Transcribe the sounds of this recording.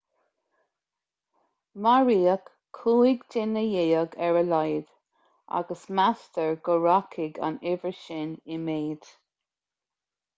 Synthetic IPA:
maɹiːəkʰː | uːɪɡdɪnəjeːəɡɛɹəlajd̥ | ʔa̰ɡəsmastəɹɡəɹakʰɪɡa̰nɪvəʃɪnɪmeːd̥

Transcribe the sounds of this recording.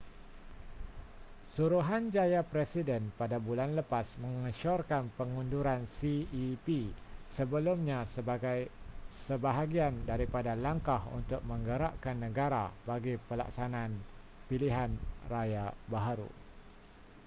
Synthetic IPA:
suɾuɦand͡ʒajapɾɛsidɛnpadabulanləpasmə̃ŋəʃɔrkanpəŋunduɾansiipisəbəlumɲãsjsəbaɦaɡiandaɾipadalaŋkahṵnt̪ʊk̚mə̃ŋɡəɾa̰ʔkanːə̃ɡaɾa̰baɡipəla̰ksanãn | piliɦanrajabaɦaɾṵ

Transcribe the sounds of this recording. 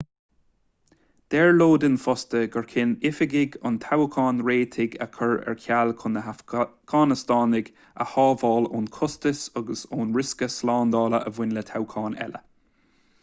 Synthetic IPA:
d̪̥ɛɹloːd̪ɪnfɔst̪əɡəɹkʰɪnɪfɪɡɪɡʊnt̪ʰawkʰɑːnɹeːt̪ʰɪɡə̰kʰəɹɛ̰ɹkʰjalkʰʊnəɡ̥ɑːnɪst̪ɑːnɪɡ | ə̰hɑːvɑːloːnkʰʊst̪əsɔɡəsoːnɹɪskəslɑːnd̪ɑːləʔəvwɪnlət̪ʰawkʰɑːnɛ̰lə̰

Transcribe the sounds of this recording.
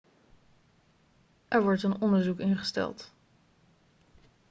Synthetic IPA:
ʔɛɹʋɔɹtənɔndəɹzukɪnχə̥stɛ̰lˠt

